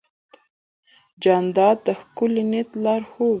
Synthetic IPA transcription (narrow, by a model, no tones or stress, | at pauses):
d͡ʒɑnd̪ɑd̪əxkʊlinet̪lɑɾxow